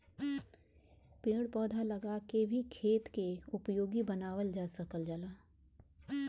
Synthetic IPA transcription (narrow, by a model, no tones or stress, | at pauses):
pẽːɽpɔːd̪ʱalɐɡakebʱikʰeːt̪keʊpjoːɡibənaːwəld͡ʒaːsəkəld͡ʒəlaː